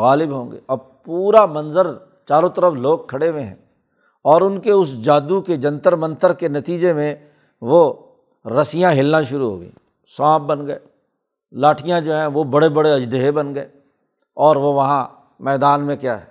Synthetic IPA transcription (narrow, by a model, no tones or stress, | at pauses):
ɣaːlɪbɦõːŋɡḛɐb | puːɾamɐ̃nzəɾ | t͡ʃaːɾõt̪əɾəfloːɡ̚kʰːɐɽemẽɦɛ̰̃ː | ɔːɾʊnkeʊsd͡ʒaːd̪uked͡ʒɐ̃nt̪əɾmə̃nt̪əɾkenɐt̪iːd͡ʒemẽ | ʋo | ɾɐsɪjãɦɪlnaʃʊɾuɦo̰ːɡə̰ḭ̃ː | swãːp̚bənɡəeː | laːʈʰijãd͡ʒoːɦɛ̃ʋobɐɽebɐɽeɐd͡ʒd̪eɦebɐnɡəeː | ɔːɾʋoʋɐɦã | mɛːd̪aːnmẽkja̰ːɦɛ̰ː